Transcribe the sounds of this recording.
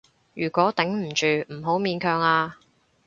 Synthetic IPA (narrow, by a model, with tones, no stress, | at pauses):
jyː˨˩kʷɔː˨˥t̪ɛ˨˥ŋm̩˨˩t͡ʃyː˨˩m̩˨˩ɦo˨˥wmiː˧nkʰœː˨ŋaː˧